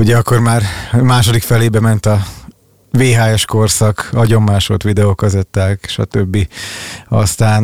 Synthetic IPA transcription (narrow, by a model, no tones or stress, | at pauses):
uɟɛɒkːo̞rmaːrmaːʃo̞d̪ikfɛleːbɛmɛnt̪ɒ | veːɦaːɛʃko̞rsɒkɒɟo̞mːaːʃot̪ʋid̪ɛoːkɒzɛt̪ːaːkʃɒ̰t̪øbːi | ɒ̰st̪aːn